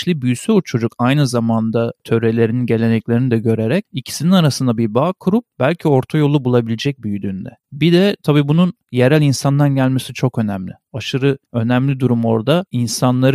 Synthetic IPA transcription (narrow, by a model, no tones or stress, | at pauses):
ʃlʲibyjysyut͡ʃʰo̞d͡ʒukajnɯzamand̪at̪ʰøɾe̞lʲe̞ɾininɟe̞lʲenɛclʲe̞ɾinid̪ɛɟø̞ɾeɾɛcicʰi̥sininaɾasɯnd̪abiɾbaːkʰuɾup̚b̥ælʲcʰio̞ɾt̪ʰajo̞lˠubulˠabilʲed͡ʒɛc̚byjyd̪yːnd̪ɛ̰bid̪ɛt̪ʰabiːbunun | je̞ɾælʲinsand̪anɟælʲmesit͡ʃʰo̞kø̞næmlʲɪaʃɯɾɯø̞næmlʲid̪uɾumo̞ɾd̪ainsanlˠaɾ